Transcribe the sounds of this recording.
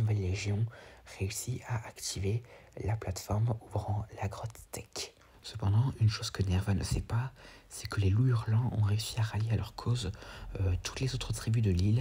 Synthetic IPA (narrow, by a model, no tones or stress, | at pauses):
nuvɛlːeʒjɔ̃ʁeysiaʔakt̪ʰivelaplat̪fɔʁmuvʁɑ̃laɡʁɔt̪t̪ɛk | səpɑ̃d̪ɑ̃ʔynʃoz̥kənɛʁvanəsɛpa | sɛkəleluyʁlɑ̃ɔ̃ʁeysiaʁaljealœʁkʰozøt̪ʰu̥t̪lezot̪χət̪χibyd̪əlil